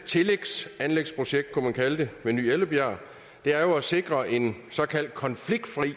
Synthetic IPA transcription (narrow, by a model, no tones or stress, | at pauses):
t͡sʰe̝leɡ̥sænleɡ̥spʰʁoɕeɡ̥d̥̚kʰumænkʰæləd̥e̝ʋeny̰ːeləb̥jæɐ̰ | d̥e̝æɐjo̝æse̝ɡ̥ʁɐʔe̝nsɒ̽kʰæl̰d̥̚kʰɒ̽nfliɡ̥̚d̥fʁḭ